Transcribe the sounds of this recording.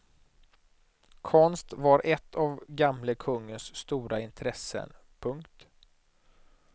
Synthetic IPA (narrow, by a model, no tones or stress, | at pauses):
kʰɔnst̪vaɾʔɛt̪ʰːavɡamləkʰɵŋːənsːt̪uːɾaɪnt̪ʰɾɛsːə̰n | pʰɵŋkt̪